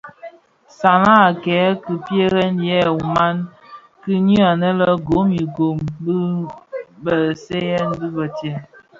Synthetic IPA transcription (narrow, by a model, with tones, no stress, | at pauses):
sa˨na˦˨kɛ˨˦kə˨pje˦ɣɛ˦njɛ˦˨u˨ma˦n | kɨ˦ɲi˦a˨nə˦lə˦ɡo˨˦mi˨ɡo˨mbə˦ | bə˨se˦jɛ˦nbi˦bə˨te˦n